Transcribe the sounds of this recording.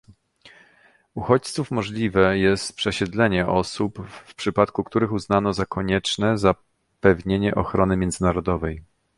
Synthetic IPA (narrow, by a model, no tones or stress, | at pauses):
uxɔt͡ɕt̪sufmɔʐlʲivɛjɛst̪pʂɛɕɛd̪lɛɲɛʔɔsupfpʂɘpat̪kukt̪uɾɘxuznanɔzakʰɔɲɛt͡ʂnɛza | pɛvɲeɲɛʔɔxɾɔnɘmʲjɛnd̪zɘnaɾɔd̪ɔvɛj